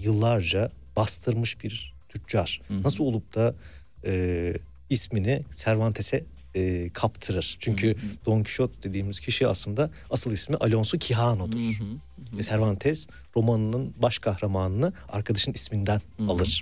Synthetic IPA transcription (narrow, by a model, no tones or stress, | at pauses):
jɯlˠːaɾd͡ʒa | b̥ast̪ʰɯɾmɯʃbiɾt̪ʰycd͡ʒaɾ̥nasɯlˠo̞lˠup̚t̪ʰa | ɯː | isminisæɾvant̪ʰesɛː | kʰapt̪ʰɯɾɯɾ̥t͡ʃʰyɲcʰyd̪̥o̞ŋcʰi̥ʃot̪̚d̪e̞d̪iːmiz̥cʰiʃia̰slˠɯnd̪a | asɯlˠismiʔalʲo̞nsucʰiɦaːno̞d̪uɾ̥ | vɛsæɾvant̪ʰɛz | ɾo̞manɯnɯnbaʃkʰahɾamanɯnɯa̰ɾkʰad̪aʃɯnismind̪ænalˠɯɾ̥